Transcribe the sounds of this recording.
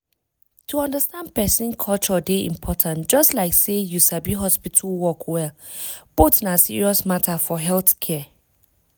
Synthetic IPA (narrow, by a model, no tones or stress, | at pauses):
tʰuʌ̃ndəstãnd̚pɛsĩnkʰɔlˠt͡ʃɔdeḭ̃mpʰɔtʰãntd͡ʒʌstlaɪksejusabiɦɔspitʰulwɔkwɛlb̥otĩnasḭɹiɔsmatʰafɔɦɛlθkʰɛ